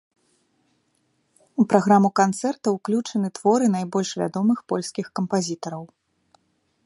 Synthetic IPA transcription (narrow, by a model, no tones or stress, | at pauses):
upɾaɣɾamukant̪sɛrt̪ɐwklʲut͡ʂɐnɨt̪vɔɾɨn̪ajbɔlʲʂvʲa̰d̪ɔmɨxpɔlʲskʲixkɐmpazʲit̪ɐɾɐw